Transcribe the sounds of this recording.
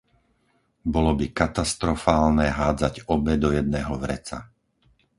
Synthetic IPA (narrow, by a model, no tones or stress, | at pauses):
bɔlɔbikat̪ast̪ɾɔfaːlnɛːɦaːd͡zaɟɔbɛd̪ɔjɛd̪nɛːɦɔʋɾɛt͡sa̰